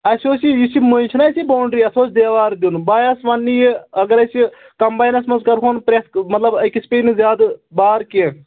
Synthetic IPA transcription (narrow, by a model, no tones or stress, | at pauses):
ɐsoːsijisimonʲt͡ʃʰɐnasiboːɳɖɾiːɐsoːt͡ʃʰd̪eːʋaːɾd̪ʲunbaːjɐsʋɐnːiɐɡɐɾɐsi | kɐmbaːjnɐsmɐnzkɐɾkʰoːnpɾesmɐt̪lɐbɐkispeːnizjaːd̪baːɾke